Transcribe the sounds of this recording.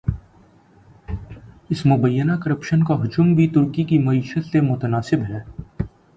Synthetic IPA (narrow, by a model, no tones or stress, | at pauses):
ɪsmʊbəjːənakɐɾəpʃənkaɦʊd͡ʒʊmbʱit̪ʊɾkikimɐiːʃət̪semʊt̪ənaːsɪbɦɛː